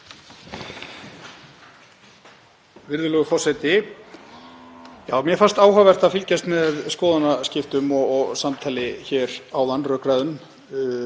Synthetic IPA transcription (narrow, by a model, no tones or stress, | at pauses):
vɪɾðʏlœːɣʏfɔr̥sɛt̪ɪ | jaːwmjɛfar̥st̪aːwhavɛr̥t̪aðfɪlcast̪mɛðskɔːðanascɪft̪ʏmɔɔɣsamt̪ʰaːlɪçɛːɾawðanːrœːkɾaðʏm